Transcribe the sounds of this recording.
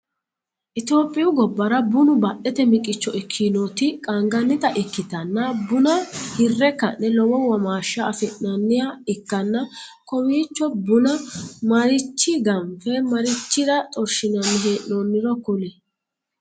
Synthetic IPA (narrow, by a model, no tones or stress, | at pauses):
ʔɪt̪o̞ːpʼːɪjʊɡɔbːɐɾɐbʊnʊbɐɗɛt̪ɛmɪkʼːɪt͡ʃːɔɪkʰːinot̪ɪkʼaŋɡɐnːɪt̪ɐʔɪkːɪt̪ɐnːɐbʊnɐhɪrːɛkːɐ̰nːɛlɔwɔwɐmaːʃɐːfɪʔnɐnːɪjaɪkːɐnːɐkɔwiːt͡ʃːɔbʊnɐmɐɾɪt͡ʃːɪɡɐmpɛmɐɾɪt͡ʃːɪɾɐt̪ʼɔɾʃɪnɐnɦeːʔnonːɪɾɔkʊlɛ